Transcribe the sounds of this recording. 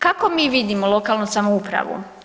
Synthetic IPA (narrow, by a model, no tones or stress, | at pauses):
kako̞miːʋid̪imolˠo̞kalˠnusamoupɾa̰ʋṵ